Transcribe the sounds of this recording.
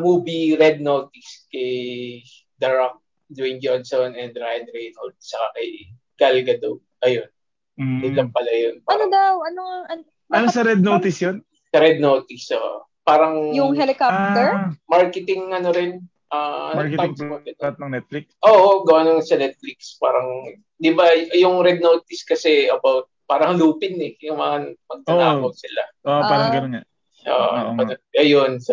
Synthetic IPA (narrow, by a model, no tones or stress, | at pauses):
muːbiɾɛd̪̚noːt̪ɪskɐj | d̪ɐɹɐk̚ | d̪wɪnd͡ʒonsonɛnd̪ɾajɐnɾɛjnɐld̪̚t͡ʃɐkakɐj | ɡ̥ɐlɡɐd̪ow | ʔɐjonː | ɪlɐmpɐlɐjonpaɾoŋd̪awɐnoɐn | ɐnosɐɾɛd̪̚noːt̪ɪsjon | sɐɾɛd̪̚noːt̪ɪsɐo̰ | paːɾɐŋjʊŋɦɛlɪkop̚t̪ɛɹmaɹkɛt̪ɪŋɐnoɾɪn | ʔaːɐnɐɹkɛt̪ɐmsmɐɡɐnt̪̚nɐŋnɛt̪̚fliksʔoːʔoɡɐwanoŋsɐnɛt̪̚flikspa̰ːɾɐŋ | d̪ɪbajjʊŋɾɛd̪̚not̪ɪskɐsɛɐbawt̪̚paːɾɐŋluːpɪnɛjʊŋmɐŋamɐɡ̚nɐnaːwɐɡ̚sɪlaʔoʔaːɾɐŋɡɐnonŋa | ʔo̰ːʔɐoʔɐjonsɐ